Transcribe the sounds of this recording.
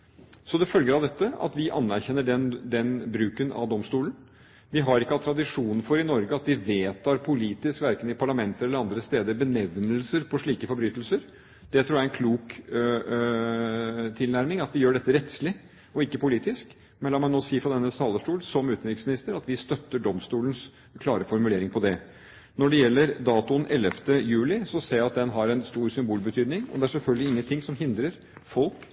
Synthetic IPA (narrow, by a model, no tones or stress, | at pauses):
sɔd̪ɛfœlɡəɾɑʋd̪ɛt̪ːəɑ̰t̪ʋɪʔɑ̰nːæɾçɛnːəɖɛnd̪ɛnbɾʉːkənɑ̰ʋd̪ɔmst̪uːlən̩ | ʋɪɦɑɾɪkːəɑt̪ʰɾɑd̪ɪʂuːnn̩fɔɾɪnɔɾɡəɑt̪d̪ɪʋeːt̪ʰɑːɾpʰʊliːt̪ɪskʋæɾkənɪpʰɑɭɑmɛnt̪əɾɛlːəɾɑnd̪ɾəst̪eːd̪əɾbənɛʋnəlsəɾpʰɔʂɭiːkəfɔɾbɾyːt̪əl̩səɾ | d̪̥ɛt̪ɾuːjæɛnkʰluːk | t̪ʰɪlnæɾmɪŋɑt̪ʋɪjøːɖɛt̪ːəɾɛt̪slɪ | ɔɪkːəpʰʊliːt̪ɪsk | mɛnlɑːmɑnnoːsiːfɾɑd̪ɛnːəst̪ʰɑːləʂʈuːlsɔmʉːt̪ənɾɪksmɪnɪst̪əɾɑt̪ʋɪst̪œt̪ːəɖɔmst̪uːləns | kʰlɑːɾəfɔɾmʉleːɾɪŋpʰɔd̪ɛ | nɔɖɛjɛlːəɾd̪ɑːt̪ʊənʔɛlːəft̪əjʉːlɪsɔseːɾjɑt̪̚d̪ɛnɦɑɾɛnst̪uːɾsʏmbuːlbət̪ʰyːd̪nɪŋɔ̰d̪ɛæʂɛlfœlɡəlɪɪŋːənt̪ʰɪŋsɔmɦɪnd̪ɾəɾ | fɔlk